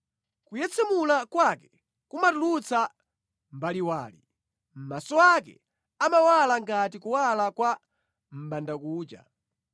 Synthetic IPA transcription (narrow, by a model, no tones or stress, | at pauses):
kujɛt͡sʰɛmulakwakɛ | kumatulut͡sʰa | mbaliwaːlḭ | m̩masɔakɛ̰ | amawalaŋɡatikuwalakwa | m̩ɓandakuːt͡ʃa̰